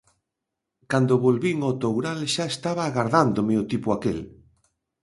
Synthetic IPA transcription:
kand̪oβolβiŋot̪owɾalʃaest̪aβaːɣaɾðand̪omeʊt̪ipoakḛl

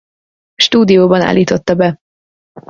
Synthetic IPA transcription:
ʃt̪uːd̪ijoːbɒna̰ːlːiːt̪o̞t̪ːɒbɛ

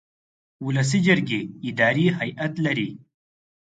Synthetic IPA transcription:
wʊlas̬id͡ʒɪɾɡeɪd̪ɑːɾihajʔat̪lɐɾi

